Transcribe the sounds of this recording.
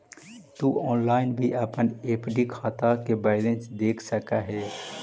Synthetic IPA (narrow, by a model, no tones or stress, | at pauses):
t̪uɔːnlaːɪnbʱiəpəneːpɖikʰaːt̪akebɛːlẽnsd̪eːkʰsəkaɦɛː